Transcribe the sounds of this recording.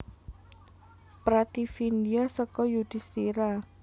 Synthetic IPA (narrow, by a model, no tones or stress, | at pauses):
pɾat̪ifindiasəkɔjud̪̥i̤st̪iɾa